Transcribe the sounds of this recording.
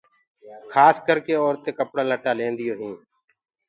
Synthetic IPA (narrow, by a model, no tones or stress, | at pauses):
kʰaːskəɾkeːɔːɾt̪eːkəpɽaːləʈaːlẽːnd̪ɪjoːɦĩː